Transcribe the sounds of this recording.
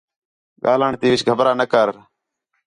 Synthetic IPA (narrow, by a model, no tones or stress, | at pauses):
ɠaːləɳt̪iːʋɪt͡ʃʰɡʱəbɾaːnəkəɾ